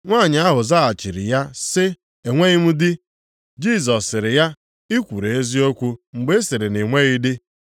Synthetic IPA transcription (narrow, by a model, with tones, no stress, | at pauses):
ŋʷaː˦˨ɲɪ˨a˦ɦʊ˨za˦a˨t͡ʃi˨ɾɪ̰˨ja˦sɪ˦ | e˨ŋʷe˦ɣi˦m̩˦dɪ˦ | d͡ʒi˦˨zɔ˨sːɪ˨ɾɪ˨ja˦ | ɪ˦kʷu˨ɾe˨e˦zi˦o˦kʷu˦ŋ͡m̩˨ɡ͡be˦sɪ˨ɾɪ˨ne˨ŋʷe˦ɣi˦dɪ˦